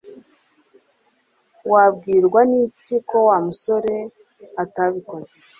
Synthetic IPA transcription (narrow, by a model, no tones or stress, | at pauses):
wabɡiːɾɡwaniciko̞wamuso̞ɾe̞ | ataβiko̞ze